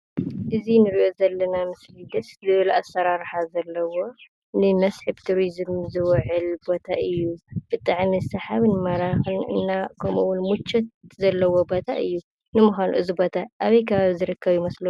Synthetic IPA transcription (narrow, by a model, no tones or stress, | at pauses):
ʔɨzinɨɾiʔo̞zɐlːɐnamɨslid̪ɐszɨβɨlasːɐɾaɾħazɐlːɐwo̞ | nɨmɐsħɨbt̪ʰuɾizɨmzɨwʕɨlbo̞t̪ʰaʔɨjːub̥ɨt̪ʼɨʕmizɨsɐħaβnɨmaɾaxɨnɨ̰nːakʰɐmuwʊnmut͡ʃːɐt̪̚zɐlːɐwo̞bot̪ʰaʔɨjːu | nɨmuxʷanṵʔɨzibo̞t̪ʰaʔaβɐjkʰɐβaβizɨɾɨkːɐβjumɐslɐu